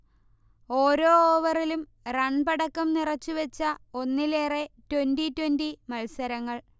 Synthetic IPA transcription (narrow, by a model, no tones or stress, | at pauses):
o̞ːɾo̞ːʋɐrilum | rɐɳpɐɽɐkːɐmnirɐt͡ɕːuʋɐt͡ɕːɐo̞nːileːretwenditːwendimɐlsɐɾɐŋːɐɭ